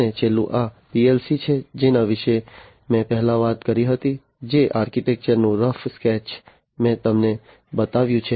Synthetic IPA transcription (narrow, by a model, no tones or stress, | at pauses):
et͡ʃelṵ̃ʔa | piɛlsit͡ʃʰed͡ʒenaʋɪʃe | mɛ̃pɛɦlãʋat̪kəɾiɦət̪i | d͡ʒeʔaːɾkiʈɛk̚t͡ʃəɾnũɾəfskɛt͡ʃ | mɛ̃t̪əmne | bət̪aʋjũt͡ʃʰe